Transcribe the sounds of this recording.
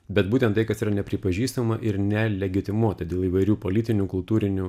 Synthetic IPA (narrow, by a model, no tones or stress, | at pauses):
bʲɛt̪buːt̪ʲɛnt̪t̪ɐɪkɐsiːɾɐnʲɛpʲɾʲɪpɐʒʲiːst̪ɐmɐʔɪɾnʲɛlʲɛɡʲɪt̪ʲɪmuɔt̪ʲɐd̪ʲeːlˠiːʋɐɪɾʲuːpoːlʲɪt̪ʲɪnʲuːkʊlˠt̪uːɾʲɪnʲu